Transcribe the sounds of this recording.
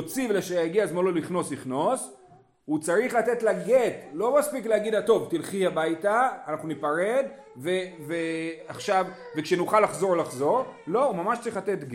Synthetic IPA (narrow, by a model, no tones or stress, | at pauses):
ot͡sivleʃejaɡiazmololiχno̞sliχno̞s | hut͡saʁiχlat̪etlaɡet̪lo̞maspikleaɡid̪at̪o̞vt̪ilχihabajtaːnaχnunipaʁed̪ | veveaχʃav | vekʃenuχalaχzo̞ʁlaχzo̞ʁlo̞umamaʃtt͡saʁiχlat̪et̪ɡ